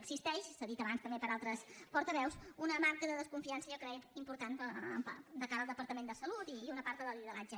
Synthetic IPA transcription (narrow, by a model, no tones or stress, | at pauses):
əkzist̪ɛʃsaðit̪əβanst̪əmbepəɾalˠt̪ɾəspɔɾt̪əβɛwsunəmarkəðəðəskuɱfiansəʒokɾɛimpuɾt̪anə̰d̪əkaɾəlˠd̪əpəɾt̪əmend̪əsəlut̪iːunəpaɾt̪əðəliðəlad͡ʒə